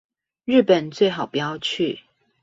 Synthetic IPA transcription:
ɻ̩˥˩pə˨˩nt͡swe˥˩ɪxɑ˨˩ʊpjɑ˥ʊt͡ɕʰy˥˨

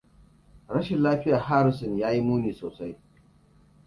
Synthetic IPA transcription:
ɽɐ˦ʃɪ˨nlaː˦ɸɪ˦jaː˨haː˦ɾɪ˨s̬ɔ˨njaː˦ji˦muː˦niː˨soː˨sa˦j

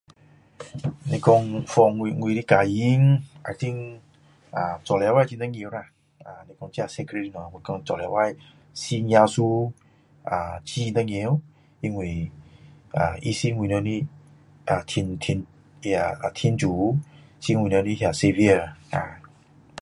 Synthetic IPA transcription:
ne˨kɔ˧ŋfɔ˧ŋwi˧ŋwi˧ɾi˦ka˨ji˦ŋa˨t̪ʰĩ˦ŋ | a˨t͡sɔ˨lɛ˨wa˦˨t͡ʃi˧ndə˧˦ŋe˧˦ɾa˧˨ | a˨ne˨kɔ˧ŋt͡ʃi˦a˧˨sɛ˧kɾe˧ɾi˧nɔ˨ŋwi˨kɔ̃˧ŋt͡sɔ˨lɛ˨˦wa˦˧j | si˦ɲa˧su˦ | a˨t͡ʃi˦nd̪ə˧ŋe˧˦ | i˧ŋwi˨ | a̰˨i˧si˦ŋwi˨no˧˦ni˦ | a˨t̪ʰi˧ntʰi˧n˧ | aa˧˨a˨t̪ʰi˧˦nd͡ʒu˨˦si˦ŋwi˨no˧ni˦ɦja˧˨se˧vi˧ə˨a˨

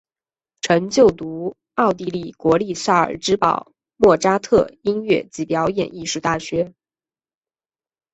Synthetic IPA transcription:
ʈ͡ʂʰɤ˧˥ŋt͡ɕjo˥˩ʊt̪u˧˥ | ɑ˥˧ʊt̪i˥˧li˥˩kwɔ˧˥li˥˧sa˥˩ə̰˞˨˩ʈ͡ʂɻ̩˥pɑ̰˨˩˦ʊ | mwɔ˥˩ʈ͡ʂa˥t̪ʰɤ˥˩i˥nɥɛ˥˩t͡ɕi˧˥pjɑ˧˥ʊjɛ̰˨˩ni˥˧ʂu˥˧t̪a˥˩ɕɥɛ˧˥

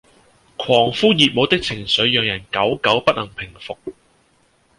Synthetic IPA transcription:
kʰɔː˨˩ŋfuː˥jiː˨t̚mo˨˧˥t̪ɪ˥k̚t͡sʰɪ˨˩ŋsɵ˨˥ɥjœː˨˧ŋjɐ˨˩nkɐ˨˥wkɐ˨˥wpɐ˥t̚lʔɐ˨˩ŋpʰɪ˨˩ŋfʊ˨k̚

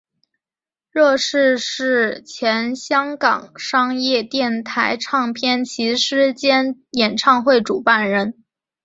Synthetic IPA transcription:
ɻɤ˥˧ʂɻ̩˥˧ʂɻ̩˥˩t͡ɕʰjɛ˧˥nɕjɑ˥ŋkɑ̰˨˩ŋʂɑ˥ŋjɛ˥˧t̪jɛ˥˩nt̪ʰa˧˥ɪʈ͡ʂʰɑ˥˧ŋpʰjɛ˥˩nt͡ɕʰi˧˥ʂɻ̩˥t͡ɕjɛ˥njɛ˨˩nʈ͡ʂʰɑ˥˧ŋxwe˥˩ɪʈ͡ʂu˨˩pa˥˩nɻə˧˥n

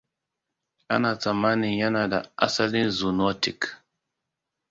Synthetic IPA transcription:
ʔa̰˦na˨ta˨maː˦ni˨ja˦na˨da˨ʔa̰˦sa˦li˦nzu˨no˦ti˨k

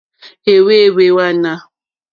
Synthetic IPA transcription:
e˨we˦we˦wa˦na˦

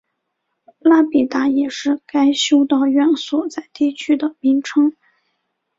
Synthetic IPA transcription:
la˥pi˨˩t̪a˧˥jɛ˨˩ʂɻ̩˥˩ka˥ɪɕjo˥ʊt̪ɑ˥˧ʊɥɛ˥˩nswɔ˨˩t͡sa˥˧ɪt̪i˥˩t͡ɕʰy˥d̪ə˨mi˧˥ŋʈ͡ʂʰɤ˥ŋ

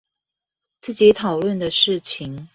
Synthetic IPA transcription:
t͡sɹ̩˥˩t͡ɕi˨˥t̪ʰɑ˨˩ʊlwə˥˩nd̪ə˨ʂɻ̩˥˩t͡ɕʰi˧˥ŋ

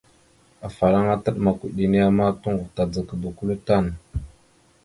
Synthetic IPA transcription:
a˨fa˨la˦ŋa˦tə˦ɗma˨ku˨ɗi˨ni˦ja˦ma˦tu˦ŋɡu˨ta˨d͡zə˨kə˨du˨ku˦lu˦ta˦˨n

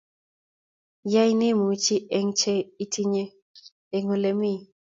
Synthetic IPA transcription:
ja˦jnɪ˦mo˨˦t͡ʃi˦ʔɛ˨ŋt͡ʃe˦i˦tʰi˦ɲe˦ | e˨ŋo˨le˨mi˦

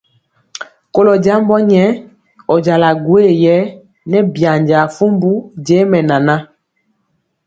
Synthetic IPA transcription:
ko˦lɔ˨d͡ʒa˦mbɔ˦ɲɛ˦ | ɔ˨d͡ʒa˨la˨ɡwe˦˨jɛ˨˦ | nɛ˦bja˨ɲd͡ʒa˨fu˦mbu˦d͡ʒe˨˦mɛ˨na˨na˦

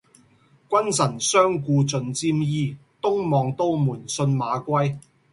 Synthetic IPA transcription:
kʷɐ˥nsɐ˨˩nsœː˥ŋkuː˧t͡sɵ˨nt͡siː˧mjiː˧t̪ʊ˥ŋmɔː˨ŋt̪o˥wmuː˨˩nsɵ˧nmaː˨˧kʷɐ˥j

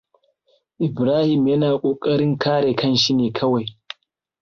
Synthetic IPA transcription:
ʔɪ˨bɾaː˦hi˨mjɐ˦naː˨kʼoː˨kʼɐ˦ɾɪ˦ŋkʰaː˦ɽeː˨kɐ˦˨nʃi˦neː˨kʰɐ˦wa˨j

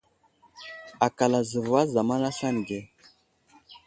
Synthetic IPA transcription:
a˨ka˨la˨zə˨vwa˦za˨ma˦na˦ɬa˦n˨ɡe˨˦

